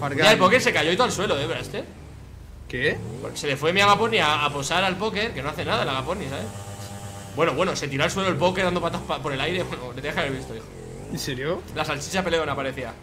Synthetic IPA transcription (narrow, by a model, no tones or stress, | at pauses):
aɾaepo̞ke̞ɾse̞kaʝo̞eit̪oalswe̞lo̞eβeɾaest̪e̞ | keese̞ðe̞fwemiaɣapo̞niaːpo̞saɾalpo̞ke̞ɾke̞no̞aθe̞naðalaɣapo̞nisaβes | bwe̞no̞βwe̞no̞se̞t̪̬iɾo̞als̬we̞lolpo̞keɾðand̪oat̪apapo̞ɾe̞lajɾe̞βwenolet̪exkjaβe̞ɾβist̪o̞ixo | inseɾjolasalt͡ʃisape̞le̞onapaɾe̞θia